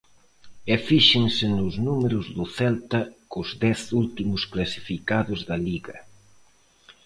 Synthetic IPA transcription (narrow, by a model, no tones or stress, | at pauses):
ɛfiʃɪŋsɪnʊznumeɾʊzðʊθɛlt̪ɐkʊzðɛθult̪imʊsklasi̥fikaðʊzðɐliɣɐ